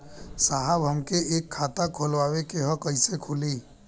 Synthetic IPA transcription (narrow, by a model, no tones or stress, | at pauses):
saɦəbɦəmkeeːkʰːaːt̪akʰoːlwaːwekeɦɔ̃kəɪsekʰʊliː